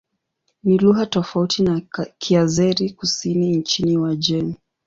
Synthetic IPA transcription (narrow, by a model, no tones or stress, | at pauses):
niluɣatɔfautinakʰiazɛɾikusinint͡ʃiniwad͡ʒɛmi